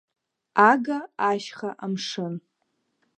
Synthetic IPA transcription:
aɡaaʃχaʔamʂɨn

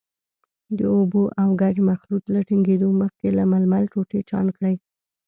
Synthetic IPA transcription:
d̪əoboʔawɡad͡ʒmaxlut̪laʈɪŋɡed̪oməxkelamalmalt͡ʃoʈet͡ʃɑ̰nkɽəj

